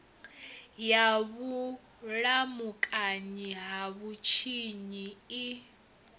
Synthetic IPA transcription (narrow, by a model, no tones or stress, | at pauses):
jaβu | lamukʼaɲiɦaβut͡ʃʰiɲii